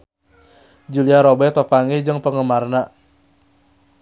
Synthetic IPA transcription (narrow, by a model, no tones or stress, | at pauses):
d͡ʒuliaɾobɛt̪pəpaŋɛd͡ʒɨŋpəŋəmarna